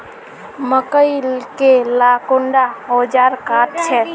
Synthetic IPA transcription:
məkəjlkelakoɳɖaod͡ʒaɾkat̪̚t͡ʃʰɛ

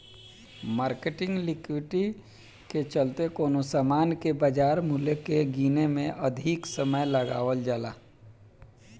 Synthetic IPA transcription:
maːɾkeʈɪ̃ŋɡlɪkwɪʈi | ket͡ʃəlt̪ekoːnosaːmaːnkebəd͡ʒaːɾmulekeɡiːnemẽʔɐd̪ʱiksəməjləɡa̰ːʋəld͡ʒaːla̰ː

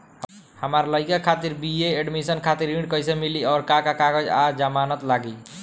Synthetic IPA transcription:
həmaɾləɪkakʰat̪iɾbieeɖmisənkʰat̪iɾĩɖ̚kəjsemiliɔːɾkakakaɡəd͡ʒa̰d͡ʒamanət̪laɡi

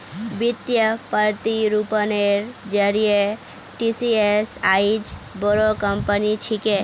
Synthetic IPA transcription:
bit̪jəpəɾt̪iɾupəneɾd͡ʒəɾije | ʈisiesaid͡ʒboɾokəmpənit͡ʃʰike

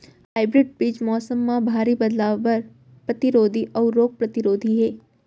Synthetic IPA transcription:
haːɪbɾɪɖ̚pɪd͡ʒmɔːsəmːãbʱaːɾibəd̪laːbəɾ | pɾɐt̪iɾoːd̪ʱiʔɔːɾoːɡ̚pɾɐt̪ɪɾoːd̪ʱiɦeː

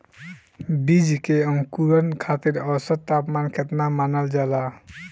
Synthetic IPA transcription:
bid͡ʒkeəŋkuɾənkʰaːt̪iɾəsət̪̚t̪ːapmankʰət̪namanəld͡ʒala

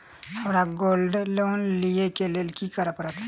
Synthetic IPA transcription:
t̪aɾaɡolɖlownlijekelelkiːkəɾəpɾət̪

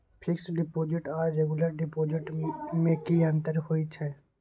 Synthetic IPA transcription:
pʰɪksɖɪpoːd͡ʒɪʈɔːɾːeɡuləɾɖɪpoːd͡ʒɪʈmẽkiə̃nt̪əɾɦoːit͡ʃʰɛː

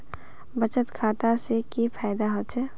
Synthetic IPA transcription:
bət͡ʃət̪kʰaːt̪asekipʰaːjd̪aɦot͡ʃʰɛ

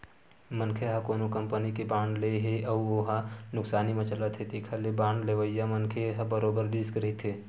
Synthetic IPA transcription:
mənkʰeɦakoːnokəmpənikebãːɳɖleɦeʔəuoɦanʊksaːnimãt͡ʃələt̪ʰɦet̪eːkʰalebãːɳɖleʋəjamənkʰeɦabəɾoːbəɾd̪iːskɾɦit̪ʰɦe

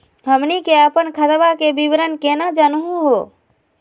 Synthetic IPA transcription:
ɦəmnikeəpənkʰət̪bakebibɾənkenad͡ʒənɦũɦoː

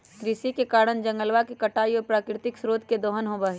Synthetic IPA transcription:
kɾɪʃikekaːɾənd͡ʒɐ̃ŋɡəlʋakikɐʈaːiɔːɾpɾaːkɾɪt̪ɪksɾoːd̪ʱked̪oːɦənɦõbɐɦ

